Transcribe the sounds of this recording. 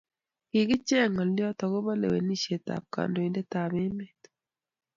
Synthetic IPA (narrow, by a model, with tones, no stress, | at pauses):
ɪ˨ɡɪ˦t͡ʃe˦˨ŋɔ˨ljɔ˦tɔ˨ɡo˦βa˦lḛ˨we˨ni˦ʃe˨ta̰˨p̚ka̰˨ndo˨i˨˦nde˦ta˨βe˦me˨t